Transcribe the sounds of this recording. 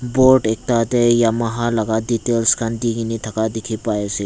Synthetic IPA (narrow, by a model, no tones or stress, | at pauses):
boɾʈek̚t̪at̪ejamɐɦalɐɡad̪it̪elskand̪iɡinit̪ʰɐkad̪ikʰipajese